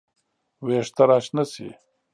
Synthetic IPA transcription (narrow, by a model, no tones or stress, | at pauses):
weːʂt̪ɐɾaːʃnɐsḭ